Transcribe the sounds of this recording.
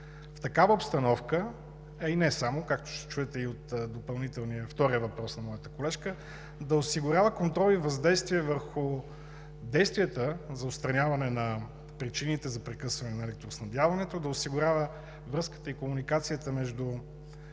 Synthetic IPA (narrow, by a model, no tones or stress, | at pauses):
ft̪ɐkavəopst̪ɐnɔfkə | ɛinɛsamokak̚t̪ʊ̥ʃt̪ɛ̥t͡ʃuɛt̪ɛiot̪d̪opɐlˠnit̪ɛlˠniəft̪ɔɾiəvɐpɾɔsnɐmɔjət̪ə̥kolɛʃkə | d̪ɐosiɡʊɾʲavəkont̪ɾɔlivɐzd̪ɛjst̪viɛvəɾxʊ | d̪ɛjst̪viət̪əzɐot̪st̪ɾɐnʲavɐnɛnɐ | pɾit͡ʃinit̪ɛzɐpɾɛkɤsvɐnɛnɐɛlɛk̚t̪ɾosnɐd̪javɐnɛt̪od̪ɐosiɡʊɾʲavə | vɾɤskə̥t̪əikomunikat̪sijət̪əmɛʒd̪u